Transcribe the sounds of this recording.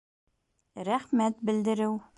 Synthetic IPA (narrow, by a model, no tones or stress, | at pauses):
ɾæχmæt̪̚bɘ̆ld̪ɘ̆ɾɘw